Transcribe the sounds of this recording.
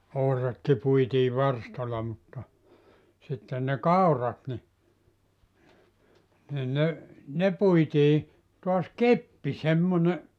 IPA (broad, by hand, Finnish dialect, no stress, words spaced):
ohrɑtki puitiː ʋɑrstɑlɑ mutːɑ sitːen ne kɑurˑɑt ni nin ne ne puitiː toɑs kepːi semːone